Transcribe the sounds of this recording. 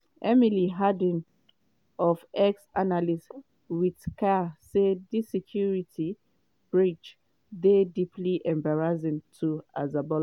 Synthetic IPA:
ʔɛmiliɦadə̃n | ɔfɛksanalis | wiðkʰasedðisɛkʰjuɹitʰi | b̥ɹid͡ʒ | ðedipliʔɛ̃mbaɹazɪ̃ntʰua̰zabɔl

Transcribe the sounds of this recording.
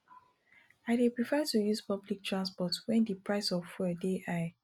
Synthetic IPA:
aɪdepɹifɛtujuspablik̚tʰɹãnspɔtwɛ̃ndipɹaɪsɔffɛdeʔa

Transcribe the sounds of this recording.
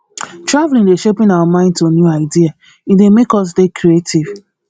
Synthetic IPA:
tɹavlĩndeʃepĩnawamãɪ̃ndtonjuaɪdia | idemekɔs̬dekɾietiv̥

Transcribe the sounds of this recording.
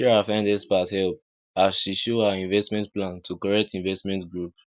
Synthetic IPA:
ɛɹafãɪ̃ndɛspathɛlp̚ | asʃiʃoəĩnvɛstmɛ̃ntplãntʰukɔɹɛk̚tĩnvɛstmɛ̃ntɡɹup̚

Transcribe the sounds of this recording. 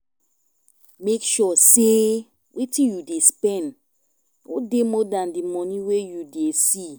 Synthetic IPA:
mekʃɔse | wʔetĩnjudespɛ̃n | o̰demɔdãndimɔnĩwejudesi

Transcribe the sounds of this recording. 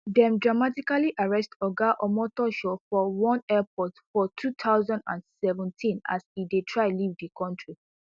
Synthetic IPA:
dɛ̃mdɹamatikaliʔaɹɛstɔɡaʔɔmɔtɔʃɔfɔwɔ̃nɛpʰɔtfɔtʰutʰaʊzɔ̃ndã̰nsɛvɛ̃ntʰĩna̰sidetʰɹaɪlivdikʰɔ̃ntʰɹi

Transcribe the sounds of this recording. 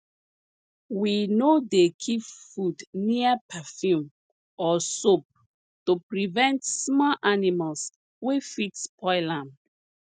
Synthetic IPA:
winodekʰipfudniəpʰafjũm | ɔsop̚ | tupɹivɛ̃ntsmɔʔanimals | wefitspʰɔɪlãm

